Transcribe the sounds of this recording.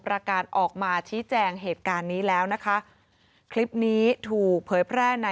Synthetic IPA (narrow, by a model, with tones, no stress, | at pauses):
pɾa˧kaː˨˩t̪̚ʔɔː˨˩k̚maː˧t͡ɕʰiː˦˥t͡ɕɛː˧ŋɦeː˨˩t̪̚kaː˧nːiː˦˥lɛː˦˥wna˦˥kʰa˦˥ʔ | kʰli˦˥p̚niː˦˥t̪ʰuː˨˩k̚pʰɤː˩˦jpʰɾɛː˥˩na˧